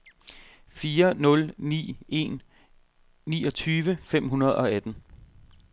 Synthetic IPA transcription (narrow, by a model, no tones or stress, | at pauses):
fiːɐnɔ̽lnḭːe̝̰n | nḭːɒ̽t͡sʰyːʋəfem̰ɦunɐð̞ˠɒ̽æd̥n̩